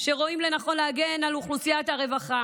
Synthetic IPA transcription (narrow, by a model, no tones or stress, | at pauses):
ʃe̞ʁo̞imle̞naχo̞nleaɡenaluχlusijat̪aʁe̞vaχa